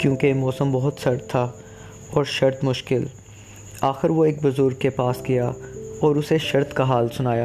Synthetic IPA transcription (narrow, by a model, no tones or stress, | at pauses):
kjũːkemɔːsəmbɔɦʊt̪ʃɐɾt̪ʰːa | ɔːɾʃɐɾt̪mʊʃkɪl | aːxɪɾʋoeːk̚bʊzʊɾɡ̚kːepaːsɡijaɔːɾʊseʃɐɾt̪kaɦaːlsʊnaːjaː